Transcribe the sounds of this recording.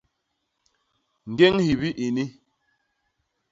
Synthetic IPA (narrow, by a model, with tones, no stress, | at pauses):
ŋ̩˨ɡe˦ŋhi˨βi˦ʔi˨ni˦